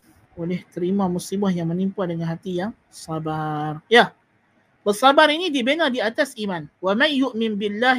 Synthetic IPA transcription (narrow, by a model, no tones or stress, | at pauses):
olɛht̪əɾimãmusibahjaŋmənimpadəŋanɦat̪ijaŋ | sabarja | b̥ərsabaɾinidibenadiat̪asimanwamanjʊʔmɪnbilːa